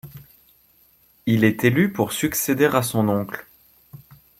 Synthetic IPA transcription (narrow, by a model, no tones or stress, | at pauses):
ilɛt̪elypuʁsyksed̪eʁasɔ̃nɔ̃kl